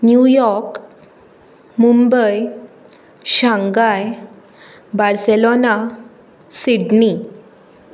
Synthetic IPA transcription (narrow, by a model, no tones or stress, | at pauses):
njujɔɾk | mumbəj | ɕãŋɡaj | baɾselona | siɖni